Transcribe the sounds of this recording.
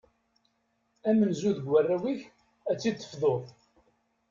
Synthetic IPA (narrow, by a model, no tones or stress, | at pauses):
æmənzuðɡwərːæwiç | æt͡sːid̪θə̥fðˤoðˤ